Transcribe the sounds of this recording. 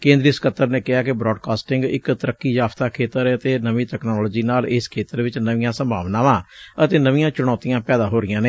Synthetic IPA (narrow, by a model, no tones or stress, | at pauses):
kẽːnd̪ɾiːskət̪ːəɾneːkɪaːkɪbɾɔːɖkaːsʈɪŋɡɪ̰kt̪əɾəkːiːd͡ʒaːpt̪aːkʰeːt̪əɾət̪eːnəʋiːt̪ɛːknɔːloːd͡ʒiːnaːleːskʰeːt̪əɾʋɪt͡ʃnəʋɪ̃jãːsəmbʱa̰ːʋnãːʋãːət̪eːnəʋɪ̃jãːt͡ʃʊɽ̃ɔːt̪ijãːpɛːd̪aːɦoːɾɪjãːneː